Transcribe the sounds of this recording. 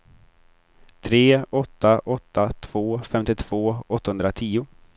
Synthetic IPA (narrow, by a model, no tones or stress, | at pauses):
t̪ʰɾeːɔt̪ːaʔɔt̪ːat̪ʰv̥oːfɛmt̪ɪt̪ʰv̥oːɔt̪ːahɵnd̪ɾat̪ʰiːʊ